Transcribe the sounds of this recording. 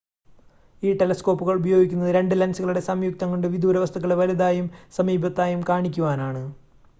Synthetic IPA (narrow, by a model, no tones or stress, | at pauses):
iːʈe̞lɐsko̞ːpːuɣɐɭubɐjo̞ːɡikʲːunːɐðɨɾe̞ɳɖɨlɐnsuɣɐɭuɽe̞sɐmjuk̚t̪ɐŋːɐɖeʋid̪ʱuːɾɐʋɐst̪ʰɐkːɐɭeʋɐɾud̪aːjumsɐmiːbʱɐt̪ːaːjumkaːɳikʲːuʋaːnaːɳɨ